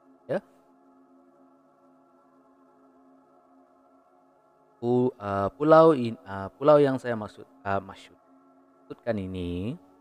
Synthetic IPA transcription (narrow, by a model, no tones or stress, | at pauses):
ja | puəpulawiəpulawjaŋsajamaksʊt̪̚əmasʊ̥t̪̚ | asʊt̪̚kanini